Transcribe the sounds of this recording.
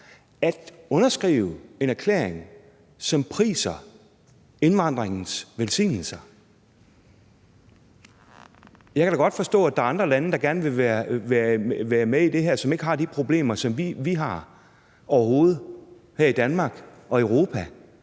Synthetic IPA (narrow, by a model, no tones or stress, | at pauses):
æd̥ɔ̽nɐsɡ̥ʁḭːʊe̝næɐkʰlḛːɐ̰eŋ | sɒ̽mpʰʁḭːsɐ | e̝nʋɑ̈n̰d̥ʁeŋn̩sʋelsḭːnl̩sɐ | jɑ̈kʰæɾ̥ɑɡ̥ɒ̽d̥fɒ̽sd̥ɔ̰ːæd̥ɑ̈ɑ̈nd̥ʁɐlænəd̥ɑ̈ɡ̥æɐnʋe̝ʋæɐʋæʋæːɐmeid̥e̝ɦæɐ̰sɒ̽me̝ɡ̥əɦɑ̈d̥ipʰʁo̝b̥le̝̰ːmɐsɒ̽mʋiʋiɦɑ̈ | ɒʊɐɦo̝ːð̞̩ˠ | hæɐ̰id̥ænmɑ̈ːɡ̥ | ɒ̽eʊʁo̝ːpʰæ